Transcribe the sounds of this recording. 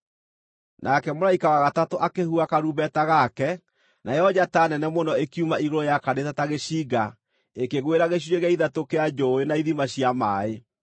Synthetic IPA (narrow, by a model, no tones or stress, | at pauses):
nʔakɛmoɾaikawaɣatatoʔakehuakaɾubɛtaɣakɛ | najɔd͡ʑatanɛnɛmonɔekiumaiɣoɾɔjakanetataɣeɕiːɡa | ekeɣweɾaɣeɕ̬weɣaiðatokead͡ʒɔenaiðimaɕiamaːe